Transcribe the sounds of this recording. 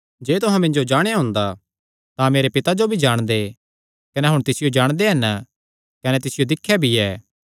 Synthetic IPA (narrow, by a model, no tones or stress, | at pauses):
d͡ʒeːt̪ʊɦãmɪ̃ɲd͡ʒod͡ʒaːɽ̃ejaɦʊ̃ːnd̪a | t̪ãmeːɾepɪt̪ad͡ʒobʱid͡ʒaːɽ̃d̪e | kɐneɦʊɽ̃t̪ɪsɪjod͡ʒaːɽ̃d̪eɦɐn | kɐnɛt̪ɪsɪjod̪ɪkʰːjabʱiɛː